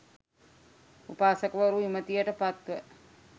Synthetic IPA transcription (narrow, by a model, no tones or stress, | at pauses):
upaːsəkəʋəɾuimət̪ijəʈəpat̪ʋə